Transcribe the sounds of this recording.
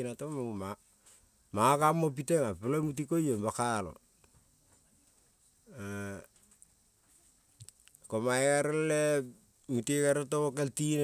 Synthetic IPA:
inatomama | makamop̬iteŋapɪlomutikojombakalo̰ | komaekaɾɪlɛ | mutikaɾetookeltin

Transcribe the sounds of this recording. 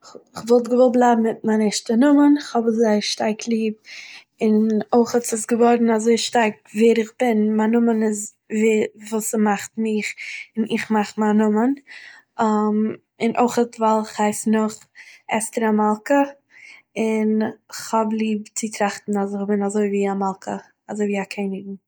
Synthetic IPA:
ɪχvɔlˠtɡəvɔlˠblˠaɪbm̩ɪt̚manɛʃtənʊmənɪχhɔbzaɪʃtaɾkʰlˠiːb̚ | ɪnoɪχətsɪsɡəvɔɾn̩azoɪʃtaɾk | veːɾɪχb̥ɪnmanʊmənɪz | vivuːsɪmaχtmɪχɪnɪχmaχmanʊmən | am | ɪnʔo̰ɪχətvalˠɪχhaɪsnʊχɛstəɾamalˠkə | ɪnχhɔblˠiːb̚t͡sɪtɾaχtn̩azɪχbɪnazoɪviːamalˠkʰə | azoɪviːakʰeɪnɪɡ̚ŋ̩

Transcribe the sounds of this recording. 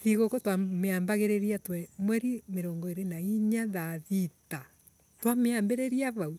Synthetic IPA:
ðiɣokɔtwameambaɣeɾɛɾiatwɛmwɛɾimeɾɔːŋɡɔeɾenaiɲaðaðita | twameambɛɾɛɾiaβau

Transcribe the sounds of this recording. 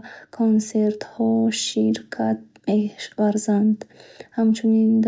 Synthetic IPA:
kʰonse̞ɾt̪hɔʃiɾkʰat̪̚mevaɾzand̪hamt͡ʃʰunind̪

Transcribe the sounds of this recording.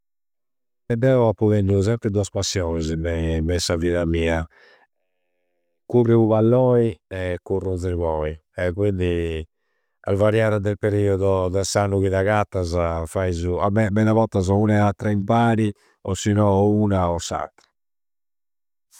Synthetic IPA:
ɛd̪ɛɔapːuɣɛnːus̬ɛmpɾɛd̪uaspasːjɔːnɛzmɛmɛsːaviːðamiːa | kuriuβalːɔːiɛkːurunziɾβɔːiɛkwind̪i | a̰lvaɾjaːɾad̪ɛlpeɾiːɔðɔd̪ɛsanːuɣiðaɣat̪ːazafaizuamɛmɛðaβɔt̪ːazɔunɛat̪ːɾaimpaːɾi | ɔsːinɔuːnaɔsːa̰t̪ːḁ

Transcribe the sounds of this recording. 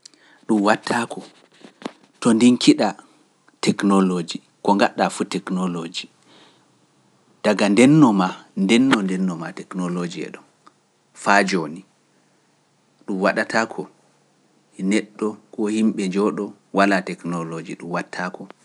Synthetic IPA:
ɗumwatʰːakʰɔ | tɔndiŋkʰiɗa | tɛknɔlod͡ʒi | kɔŋɡaɗafutɛknolod͡ʒi | d̥aɡandɛnːɔmandɛnːɔndɛnːɔmatɛknolod͡ʒiɛ̰ɗɔn | fad͡ʒoni | ɗumwaɗatʰakʰɔ | nɛɗːɔkɔhimɓɛd͡ʒɔɗɔ | walatɛknɔlod͡ʒḭɗumwatʰːakɔ

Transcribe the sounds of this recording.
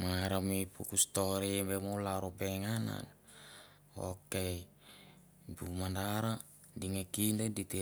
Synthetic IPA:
maŋaɾamipukust̪oɾibemolaɾopeŋana̰n | o̰ke | bumandaɾa | diŋekindedit̪i

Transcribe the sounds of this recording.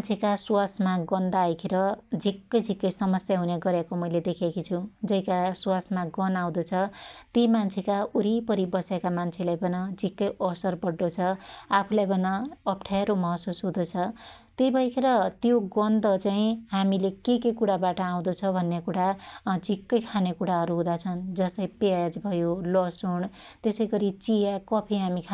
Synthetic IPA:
nt͡sʰekaswasmaɡʌnd̪ajkʰeɾʌd͡zʱikːʌjd͡zʱikːʌjsʌmʌsjaɦuneɡʌɾjekomʌjled̪ekʰekʰit͡sʰud͡zʌikaswasmaɡʌnaw̃d̪ot͡sʰʌt̪imant͡sʰekauɾipʌɾibʌsekamant͡sʰelajbʌnʌd͡zʱikːʌjʌsʌrbʌɖːot͡sʰʌapʰulajbʌnʌːpʈʰaeɾomʌɦʌsusɦod̪ot͡sʰʌt̪ejbʱʌjkʰeɾʌt̪joɡʌnd̪ʌt͡saĩɦamilekekekuɽabaʈʌaw̃d̪ot͡sʰʌbʱʌnːekuɽad͡zʱikːʌjkʰanekuɽaɦʌɾuɦũd̪at͡sʰʌnd͡zʌst̪ʌjpad͡zbʱʌjolʌsuɳ | t̪esʌjɡʌɾit͡sijakʌpʰiɦamikʰ

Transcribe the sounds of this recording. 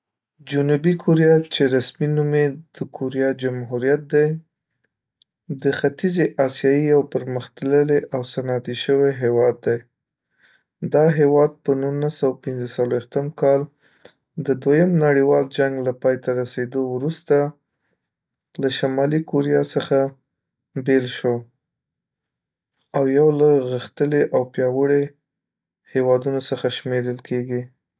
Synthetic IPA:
d͡ʒʊnubikʰoɾijɑt͡ʃeɾasminumed̪̥əkʰoɾijɑd͡ʒamɦuɾijat̪̚d̪ej | d̪əxat̪izeʔɑsjɑjijawpəɾməxt̪ləleʔawsanɑt̪iʃəweɦewɑd̪ːej | d̪ɑɦewɑd̪̚pənunasawapɪnzəsalwext̪əmkɑl | d̪əd̪wajəmnaɽiwɑld͡ʒaŋɡlapɑjt̪aɾased̪owɾust̪a | laʃamɑlikoɾijɑsəxa | belʃo | awjawlaɣəxt̪əleʔawpjɑwəɽe | hewɑd̪unosəxaʃmeɾəlkʰeɡi

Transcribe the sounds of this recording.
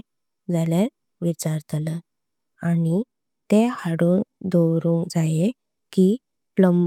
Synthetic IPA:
d͡zaljaɾ | ʋit͡ɕaɾt̪alə | ani | t̪ehaɽund̪owɾũŋkd͡zaje | ki | pləm

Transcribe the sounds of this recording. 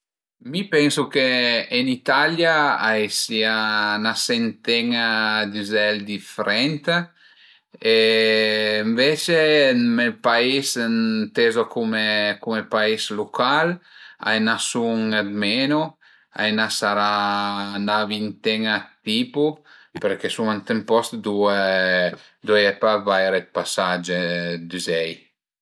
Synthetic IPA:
mipɛnsukeːnit̪aljaajsianasent̪ɛŋad̪yzɛld̪ifeɾɛnt̪ | eː | ɱvet͡ʃemepaisnt̪ezokumekumepaislukʰala̰jnasuŋed̪menu | a̰jnasaɾa | navint̪ɛŋat̪ipupeɾkesuŋant̪empɔst̪d̪ue | d̪ueɛpavajɾet̪̚pasad͡ʒed̪izɛj

